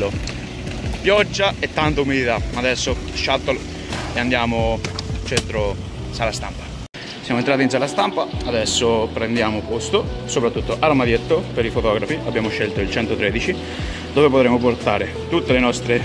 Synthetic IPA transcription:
o | pjɔd͡ʒːaet̪ːant̪aumid̪it̪amaːd̪ɛsːoʃat̪ːol | eand̪jaːmot͡ʃɛnt̪ɾo | salast̪ampḁ | sjamoent̪ɾaːt̪insalast̪ampaad̪ɛsːopɾend̪jaːmopost̪osopɾat̪ːut̪ːoʔaɾmad̪jet̪ːopeɾifot̪ɔːɡɾafiabjaːmoʃːelt̪oilt͡ʃɛnt̪ot̪ɾeːd̪it͡ʃi | d̪oːvepot̪ɾemoport̪aːɾe | t̪ut̪ːelenɔst̪ɾe

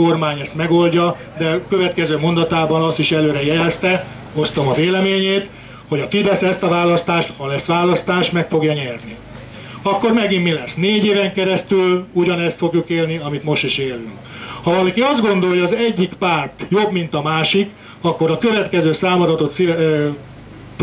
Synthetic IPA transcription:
o̞rmaːɲɛst̪mɛɡo̞lɟɒ | d̪ɛkø̞vɛt̪kɛzøːmo̞nd̪ɒt̪aːbɒnɒst̪iʃɛløːɾɛjɛlst̪ɛ | ost̪omɒveːlɛmeːɲeːt̪ | ho̞ɟɒfid̪ɛsɛst̪ɒvaːlɒst̪aːʃt̪hɒlɛsʋaːlɒst̪aːʃt̪mɛkfo̞ɡjɒɲɛrni | ɒkːo̞rmɛɡimːilɛsneːɟeːvɛŋkɛɾɛst̪yluɟɒnɛst̪fo̞ɡjukeːlniɒmit̪mo̞ʃt̪iʃeːlyŋk | hɒvɒlɒkiɒzd̪ɡo̞nd̪o̞jɒːzɛɟːikpaːrt̪jo̞bmin̪t̪ɒmaːʃik | ɒkːo̞ɾɒkøvɛt̪kɛzøːsaːmod̪ɒt̪o̞t̪si

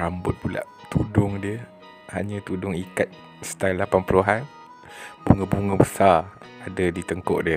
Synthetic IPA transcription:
ɾambʊt̪̚pula̰ʔt̪udʊŋdiə | haɲə̃t̪udʊŋikat̪̚ | sə̥t̪alapanpuluɦan | b̥uŋəbuŋəbəsaradədit̪əŋkɔ̰ʔdiə

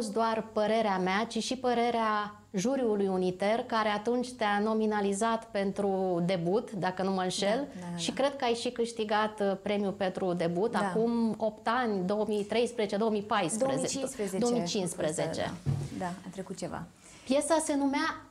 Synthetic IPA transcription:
sd̪oarpəɾe̞ɾeameat͡ʃiʃipəɾe̞ɾea | ʒuɾjulujunit̪e̞rkaɾeat̪unt͡ʃʲt̪eano̞minalizat̪pe̞nt̪ɾud̪e̞but̪d̪akənuməɨnʃe̞lʃikɾe̞d̪̚kəajʃikɨʃt̪iɡat̪pɾe̞mjupe̞nt̪ɾud̪e̞but̪akumo̞p̚t̪anʲd̪o̞əmit̪ɾe̞jspɾəzet͡ʃed̪oomijpajsdpɾəzeseeoomit͡ʃinspɾəzet͡ʃḛd̪aat̪ɾekut̪̚t͡ʃeva̰ | pje̞sase̞numea

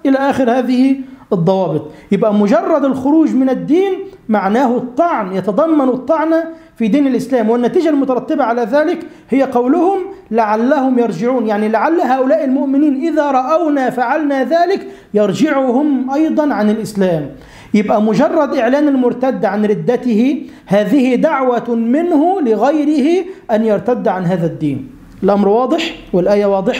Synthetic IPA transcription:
ʔɪlaʔaːxɪɾhaːðɪhiɨd̪ˤːɑwɑːbɨt̪ˤjɪbʔamʊd͡ʒɑrˤːɑd̪ɪlxʊɾuːd͡ʒmɪnɪd̪ːiːnmaʕnaːhʊt̪ˤːɑʕnjɑt̪ɑd̪ˤɑmːɑnut̪ˤːɑʕna | fid̪iːnɪlʔɪslaːmwɪnːat̪iːd͡ʒalmʊt̪ɑɾˤɑt̪ːɪbaʕalaðaːlɪk | hɪjːaqɑwlʊhʊmlaʕalːahʊmjɑɾˤd͡ʒɪʕuːnjaʕnilaʕalːaɦaːʔʊlaːʔɪlmʊʔmɪniːnʔɪðaɾˤɑʔawnafaʕalnaðaːlɪk | jɑɾˤd͡ʒɪʕʊhʊmʔɑjd̪ˤɑnʕanɪlʔɪslaːm | jɪbʔamʊd͡ʒɑrˤːɑd̪ʔɪʕlaːnɪlmʊɾt̪ad̪ːʕanɾɪd̪ːat̪ɪhɪ | haːðɪhɪd̪aʕwamɪnhʊlɪɣajɾɪhɪʔanjɑɾˤt̪ad̪ːʕanɦaːðad̪ːiːn | ɪlʔamɾwɑːd̪ˤɨħwɪlʔaːjawɑːd̪ˤɨħ

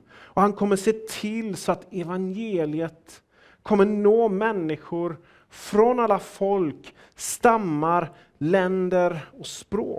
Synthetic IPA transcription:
ɔhankʰɔmːəʂeːt̪ʰɪlsɔat̪ɛvanjeːlɪət̪ | kʰɔmːənoːmɛnːɪɧʊɾ | fɾɔnalːafɔlk | st̪amːaɾ | lɛnd̪əɾɔspɾo̰ː

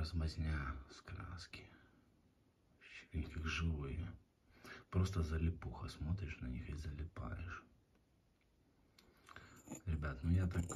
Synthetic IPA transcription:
əzmɐzʲnʲaskɾa̰skʲɪ̥ | ɕʲnʲkakʐɨvɨj | pɾost̪əzəlʲɪpuxəsmo̞t̪ɾʲɪʂnɐnʲixɪzəlʲɪpa̰jɪ̰ʂ | ɾʲɪbʲat̪nʊjat̪ak

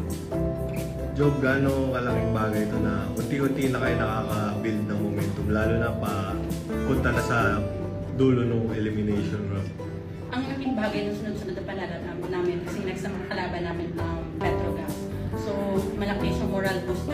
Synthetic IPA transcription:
d͡ʒob̚ɡaːnokɐlaŋɪŋbaːɡɐjt̪onɐʔʊnt̪iʔont̪inɐkɐjonɐkaːkɐbild̪̚nɐŋmomɛnt̪ʊmlaːlonɐpɐpʊnt̪ɐnɐsɐ | d̪uːlonʊŋʔɛlɪmɪnɛjʃonɹop | ʔɐŋɐlɐmɪŋbaːɡɐjnoŋsɪnʊnsɐnɐd̪ɐpɐlalɐnamnaːmɪnkɐsɛnɐɡ̚sɐmɐt̪̚kɐlaːbɐnaːmɪnːɐŋ | pɛt̪ɾoɡɐ | somɐlɐkisɐmoɾɐlbost̪

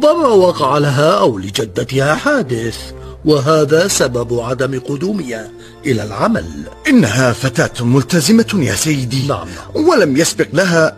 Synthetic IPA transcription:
ðɑmawɑqɑʕalaɦaːʔawlɪd͡ʒad̪ːat̪ɪhaːħaːd̪ɪθwaɦaːðaːsababʕad̪amqʊd̪uːmɪja | ʔɪlaːlʕama̰lʔɪnːaɦaːfat̪aːt̪mʊlt̪azɪmaja̰ːsajːɪd̪iːna̰ʕmwalamjasbɪqlaɦaː

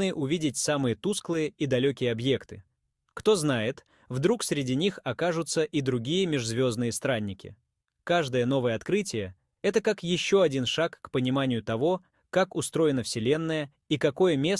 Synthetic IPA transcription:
ɨʔʊvʲidʲɪtʲsamɨjət̪usklˠɨjəid̪ɐlʲokʲɪjəɐbje̞kt̪ɨ̥ | kt̪o̞znajɪt̪ | vd̪ɾuksɾʲɪdʲinʲixɐkaʐʊt̪səʔid̪ɾʊɡʲijəmʲɪʐzvʲo̞znɨjəst̪ɾanʲːɪkʲɪ̰ | kaʐd̪əjəno̞vəjəɐt̪kɾɨtʲɪjə | ɛt̪əkakjɪɕːo̞ɐdʲinʂakːpənʲɪmanʲɪjʊt̪ɐvo̞ | kakʊst̪ɾo̞jɪnəfsʲɪlʲe̞nːəjə | ikɐko̞jəmʲe̞s

